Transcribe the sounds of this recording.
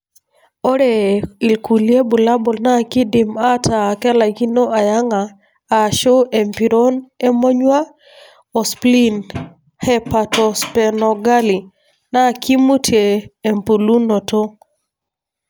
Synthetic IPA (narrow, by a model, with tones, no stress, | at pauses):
ɔ˦ɾe˨i˨lku˨lie˦bu˨la˦bɔ˨lna˦˨ki˦di˨ma˦tʰa˨kɛ˦la˨ɡi˦no˦ʔa˨ja˦ŋaː˨ | ʃo˦ʔe˨mpi˨ɾo˦ne˦mo˦ɲwa˦ | ɔ˨spli˦n | hɛ˦pa˨tɔ˨spɛ˨nɔ˨ɡa˦li˨ | na˦ki˦mu˦tʰjeː˨mpu˨lu˦nɔ˨to˦